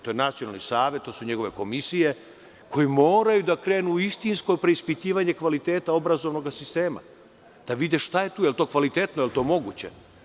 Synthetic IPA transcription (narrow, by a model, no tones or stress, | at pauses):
t̪ojenat̪sionalnisaːʋet̪t̪ːoːsuɲe̞ɡo̞ʋe̞ko̞misije̞ | ko̞jemo̞ːɾajud̪akɾe̞ːnuist̪insko̞pɾe̞ispit̪iːʋaɲekʋalit̪eːt̪ao̞bɾazo̞ʋno̞ɡasist̪eːma̰ | d̪̥aʋid̪eʃt̪aje̞t̪uːjelt̪oːkʋalit̪et̪nojelt̪o̞ːmo̞ɡut͡ɕḛ